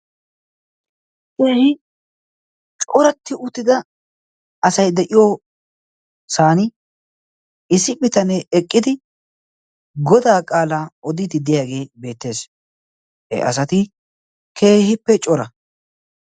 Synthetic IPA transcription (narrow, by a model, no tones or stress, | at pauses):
keːhɪ | t͡ʃʼɔɾɐt̪ːɪʔʊt̪ːɪd̪ɐ | ɐsɐjd̪ɛʔɪjoː | saːnɪ | ɪsɪpɪt̪ɐnɛɛkʼːɪd̪ɪ | ɡɔd̪aːkʼaːlaːɔd̪ɪt̪ɪd̪ɪjaːɡe̞ːbe̞ːt̪ːe̞ːs | hɛ̰ʔɐ̰sɐt̪ɪ | kʰe̞ːhɪpːɛt͡ʃʼɔɾɐ